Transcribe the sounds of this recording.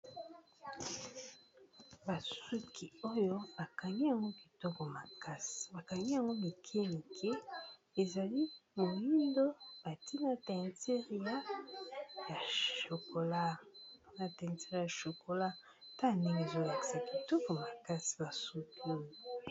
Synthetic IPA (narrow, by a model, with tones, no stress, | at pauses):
ba˨su˦kʰi˨o˦jo˦ba˨ka˨ŋɡi˦ja˨ŋɡo˦ki˨to˦ko˨ma˨ka˦si̥˨ba˨ka˨ŋɡi˦ja˨ŋɡo˦mi˨kʰe˦ni˨kʰɛ˦e˨za˨li˦mo˨ji˦ndo˦b̥a˨ti˦na˨tɛ˨nte˦ʁa˦ | ja˨ʃo˨ko˨la˦na˨tɛ˨te˦ʁa˨ʃo˨ko˨la˦ | ta˦˨nde˦ŋɡe˨zo˦la˨ki̥˨sa˨ki˨to˦ko˨ma˨ka˦si̥˨ba˨su˦ki˦o˦